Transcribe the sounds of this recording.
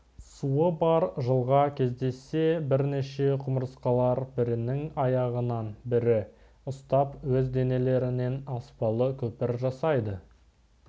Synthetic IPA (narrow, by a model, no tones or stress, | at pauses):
suəbɑɾʒəlˠʁɑkʲʰe̞zd̪e̞sːe̞bɪɾneʃe̞qʰʊməɾəsqɑlˠɑɾbɪɾɪnɪŋɑjɑʁənɑnbɪɾɪ | ʊst̪ɑpwɵzd̪e̞ne̞le̞ɾɪne̞nɑspɑlˠəkʲʰɵpɪɾʒɑsɑjd̪ə